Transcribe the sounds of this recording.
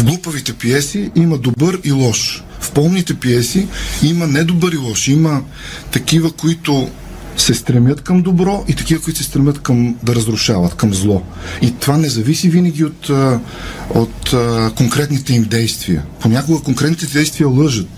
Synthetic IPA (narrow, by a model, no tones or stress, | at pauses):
vɡlˠupəvit̪ɛpiɛsiimɐd̪obəɾilˠɔʃ | fpɔlˠmnit̪ɛpiɛsiimɐnɛd̪obɤɾilˠɔʃimɐ | t̪ɐkivəkoit̪ʊ | sɛst̪ɾɛmjət̪kɐmd̪obɾɔʔit̪ɐkivəkʊit̪ʊsɛst̪ɾɛmʲət̪kɐmd̪ɐɾɐzɾʊʃavɐət̪kɐmzlˠɔit̪ovanɛzɐvisivinɐɡʲiot̪ | ot̪koŋkɾɛt̪nit̪ɛimd̪ɛjst̪viə̰ponʲakoɡəkoŋkɾɛt̪nit̪d̪ɛjst̪vijəlˠɤʒət̪̚